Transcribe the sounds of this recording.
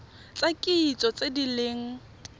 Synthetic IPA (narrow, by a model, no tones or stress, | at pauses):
t͡sʼakʼiit͡sʼɔt͡sʼedileːŋ̩